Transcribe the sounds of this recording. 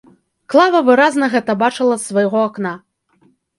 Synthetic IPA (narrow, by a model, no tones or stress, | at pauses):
klˠavɐvɨɾaznɐɣɛt̪ɐbat͡ʂɨlˠɐsvɐjɣɔakna